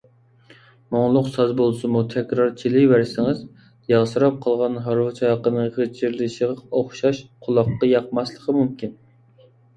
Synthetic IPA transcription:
moŋlˠʊqsɑzbolˠsɨmut̪ʰɛkʲɾɑɾt͡ʃʰilɪvæɾsɪŋɪz | jɑʁsɨɾɑp̚qʰəlˠʁɑnɦɑɾwɨt͡ʃʰɑɑqənɨŋʁət͡ʃʰiɾlɪʃəʁɑoχʃɑʃqʰʊlˠɑqːɑjɑqmɑslˠəqʰəmumkʲin

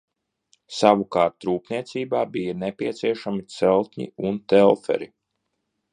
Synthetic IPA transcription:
saʋukaːɾt̪ːɾuːpniɛt̪siːbaːbijanepiɛt̪siɛʃamit̪sɛlˠt̪ʲɲḭunt̪ɛlˠfɛ̰ɾi

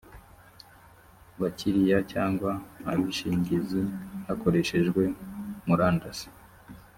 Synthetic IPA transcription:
βacʰiɾijacaːŋɡwaːβiʃiːɲɟizihako̞ɾe̞ʃe̞ʒɡwe̞muɾaːndasi̥

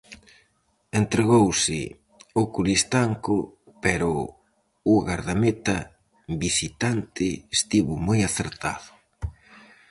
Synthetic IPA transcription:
ent̪ɾeɣowsɪ̰ | okulist̪aŋkʊpɛɾʊː | ɣaɾðamet̪ɐ | bisit̪ant̪ɪːst̪iβʊmojaθeɾt̪a̰ðʊ̥

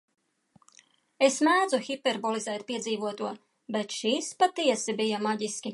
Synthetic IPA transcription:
esnaːd̪zuxʲipeɾbɔlˠizɛːjt̪̚piɛd̪ziːvuɔt̪uɔ | bet̪ʃiːspat̪iɛsibijamaɟiskʲi

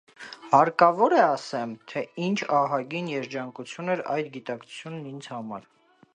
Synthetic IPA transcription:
hɑɾkɑvɔɾɛɑsɛmt̪ʰɛint͡ʃʰɑɦɑɡinjɛɾd͡ʒɑŋkut͡sʰjunɛɾɑ̰jd̪ɡit̪ɑkt͡sʰu̥t͡sʰjunːind͡zhɑmɑ̰ɾ

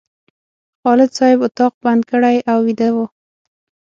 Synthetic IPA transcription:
xɑlɪd̪sɑhɪbʊt̪ɑq̚band̪̚kəɽajʔawːid̪awu

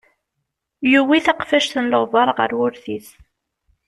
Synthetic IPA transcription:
juwiθaqfæʃθənlovɑɾˤʁə̰ɾwʊɾθiθ

